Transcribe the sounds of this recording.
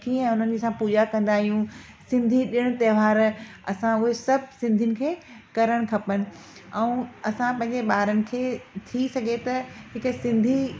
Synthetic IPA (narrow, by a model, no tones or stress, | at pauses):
kiɛ̃ʊn̤ənɪd͡ʑisãpuːd͡ʑakɐ̃nd̪aːɦijũ | sɪ̃nd̪ʱiɗɪɽ̃̆t̪eːʋ̤aːɾɐsãʊɦesɐbʱsɪ̃nd̪ʱiənɪ̆kʰeː | kɐɾəɽ̃̆kʰɐpənɪ̆ | ɛũːɐsãpɐ̃ɦɪ̃ɲd͡ʑeɓaːɾənɪ̆kʰeːt̪ʰisɐɡʱet̪ɐɦɪksɪ̃nd̪ʱi